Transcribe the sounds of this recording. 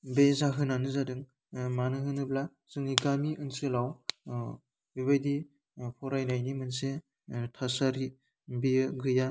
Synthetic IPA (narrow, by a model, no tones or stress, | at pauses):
bezaɦɯnanɯzadɯŋ | manɯɦɯnɯbla | z̥ɯŋiɡamiʔɯnsɯlaw | bibajdi | pʰɔɾajnajnimɯnse | tʰasaɾi | biɡɯja